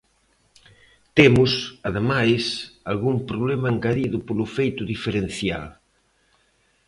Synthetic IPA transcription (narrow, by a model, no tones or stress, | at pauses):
t̪emʊsaðemajsalɣumpɾoβlemaeŋɡaðiðʊpolʊfejt̪ʊðifeɾenθja̰l